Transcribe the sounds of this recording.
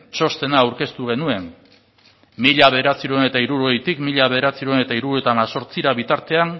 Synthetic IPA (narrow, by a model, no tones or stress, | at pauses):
t͡ʃo̞st̪e̞naːwɾke̞st̪uɣ̞e̞nue̞n | miʎaβe̞ðeɾat͡siɾuene̞t̪aiɾuɾoɣejt̪ikmiʎaβe̞ð̞eɾat͡siɾuene̞t̪aiɾuɾuet̪amaso̞ɾt͡siɾaβit̪aɾt̪e̞an